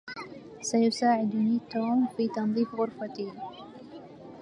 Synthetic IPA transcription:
sajʊsaːʕɪd̪niːt̪oːmfiːt̪ɑnðˤiːfɣʊɾfat̪iː

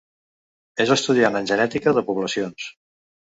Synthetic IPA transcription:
ezəst̪uðianənʲʒənɛt̪ikəðəpuβləsions

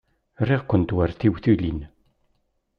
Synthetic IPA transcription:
rːiʁkʷːənt̪wæɾθiwθulin

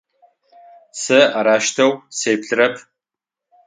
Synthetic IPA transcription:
sɨaɾaːʃtʰɐwsejpɬɨɾɐpʰ

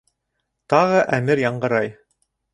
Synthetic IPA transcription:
t̪ɑʁɤʔæmɘɾjɑɴɢɤ̆ɾɑj

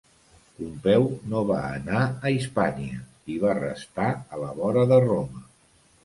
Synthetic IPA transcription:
umpɛwnoβa̰ənaəispaniə | iβ̞arə̰st̪aələβɔɾəðəromə

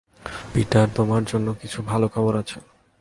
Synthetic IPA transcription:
piʈaɾt̪omaɾd͡ʑonːokit͡ɕʰubʱalokʰɔboɾat͡ɕʰe

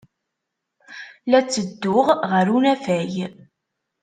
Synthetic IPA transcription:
læt͡sːəd̪ːʊʁʁəɾunæfæj

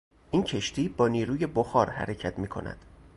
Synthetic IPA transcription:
ʔiːncʰe̞ʃt̪ʰiːbɒːniːɾuːje̞boxɒːɾhæ̰ɾecʰæt̪ʰmiːkʰo̞̰næ̰d̪̥

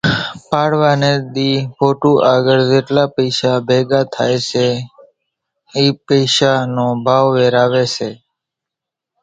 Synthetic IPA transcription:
paɽʋaned̪ifoʈũʔaɡəɭd͡ʒeʈlapəɪʃabʱeɡat̪ʰa̰jt͡ʃʰe | ipəɪʃanõbʱaːʋʋeɾaːʋet͡ʃe

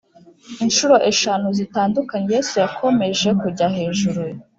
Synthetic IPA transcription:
inʃuɾo̞ʔe̞ʃanuzitaːndukaɲejesejakʰo̞me̞ʒe̞kuɟahe̞ːʒuɾuj

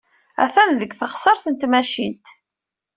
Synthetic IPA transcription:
æ̰θænðəɡθəχsˤəɾˤθənt̪mæʃint̪

